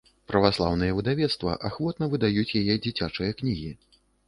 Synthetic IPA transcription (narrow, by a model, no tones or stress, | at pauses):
pɾɐvaslˠawnɨjɐvɨd̪avʲɛt̪st̪vɐ̰ʔaxvɔt̪nɐvɨd̪ajut͡sʲjajɛd͡zʲit͡sʲat͡ʂɨjɐknʲiɣʲi